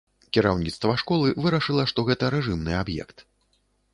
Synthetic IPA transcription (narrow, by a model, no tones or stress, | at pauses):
kʲiɾawnʲit̪st̪vɐʂkɔlˠɨvɨɾɐʂɨlˠɐʂt̪ɔɣɛt̪ɐɾɛʐɨmnɨabjɛ̰kt̪